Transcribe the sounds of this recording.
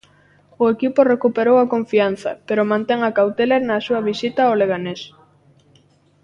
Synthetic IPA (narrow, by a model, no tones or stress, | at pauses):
ʊekipʊrekupeɾowɐkoɱfian̟θɐ̰peɾʊmãnt̪eŋɐkawt̪eleɾnɐsuɐβisit̪aoleɣanes